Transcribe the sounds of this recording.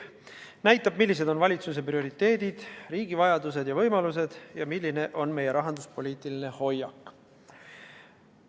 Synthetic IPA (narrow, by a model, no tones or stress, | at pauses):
næjt̪ːˑɑb̥̚milːis̬e̞d̪̥o̞nvɑlʲit̪sus̬e̞prio̞ɾit̪ːe̞ːd̪̥id̪̥riːɡ̥ivɑjɑd̪us̬e̞d̪̥jɑvɤ̞jmɑluse̞d̪̥jɑmilʲːine̞ʔo̞nme̞je̞ɾɑɦɑnd̪uspo̞lʲiːt̪ˑiline̞ho̞jːɑkːˑ